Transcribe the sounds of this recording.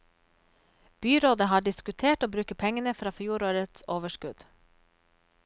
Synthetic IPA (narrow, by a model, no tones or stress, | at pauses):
b̥yːɾoːd̪əhɑːɖɪskʉt̪ʰeːʈoːbɾʉːkəpʰɛŋənəfɾɑːfjuːɾoːɾət̪soːʋəʃkʉd̪̥